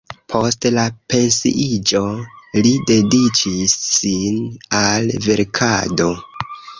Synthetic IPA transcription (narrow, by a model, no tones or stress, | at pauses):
pʰo̞stlape̞nsḭʔid͡ʒo̞lide̞dit͡ʃisːinalve̞ɾkʰado̞